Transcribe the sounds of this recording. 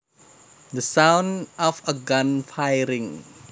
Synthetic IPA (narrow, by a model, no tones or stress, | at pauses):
d̪əsãwnɔfəɡʌ̃nfajɾĩŋ